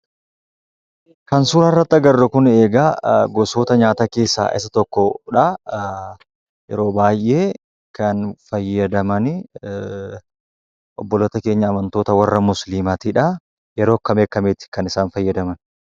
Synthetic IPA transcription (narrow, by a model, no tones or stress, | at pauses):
kɐnsuːɾɐrːɐt̪ːɐɡɐrːɐkʊne̞ːɡaɡɔso̞ːt̪ɐɲaːt̪ake̞ːsːa̰ːʔɪ̰sɐt̪ɔkːɔᶑɐ | jɛ̰ɾo̞ːbaːjʔe̞ː | kɐnfɐjːɐd̪ɐmɐnɪ | ʔɔ̰bːɔlot̪ɐke̞ːɲːɐːmɐnt̪o̞ːt̪ɐwɐrːɐmʊslimat̪iːᶑɐ | jɛɾo̞ːkːɐmeːkːɐmeːt̪ɪ̥kɐnɪsaːnfɐjːɐd̪ɐmɐn